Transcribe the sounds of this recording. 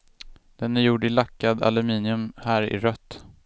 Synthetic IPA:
d̪̥ɛnæɾjuɖɪlakːad̪a̰lɵmiːnɪɵmhæːɾɪ̰ɾœt̪ː

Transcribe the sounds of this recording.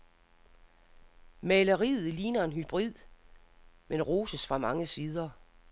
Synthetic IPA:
mɛləʁið̩ˠliːnɐe̝nɦyb̥ʁið̰ˠ | menʁoːsəsfʁɑ̈mɑ̈ŋəsiːð̞ˠɐ

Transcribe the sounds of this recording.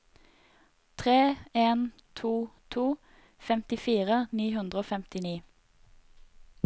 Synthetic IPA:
t̪ʰʁeːeːn | t̪ʰuːt̪ʰuː | fɛmt̪ɪfiːʁəniːhʉnd̪ʁəoːfɛmt̪ɪniː

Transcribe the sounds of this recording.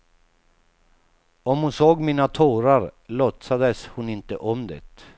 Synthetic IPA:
ɔmhʊnsoːɡmiːnat̪ʰoːɾaɾlɔt̪sad̪əshʊnɪnt̪ə̰ʔɔmd̪ɛ̰t̪

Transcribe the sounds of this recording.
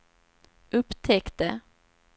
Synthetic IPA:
ʔɵpːt̪ʰɛkt̪ə

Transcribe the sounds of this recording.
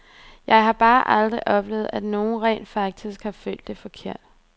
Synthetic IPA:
jɑ̈ɪɦɑ̈b̥ɑ̈ːʔɑld̥ʁiʔɒ̽b̥le̝ːʊð̞̩ˠæd̥no̝ːn̩ʁɛ̰ːnd̥fɑ̈ɡ̥̚d̥isɡ̥hɑ̈fø̰ld̥e̝fɒ̽kʰe̝ɐ̰d̥

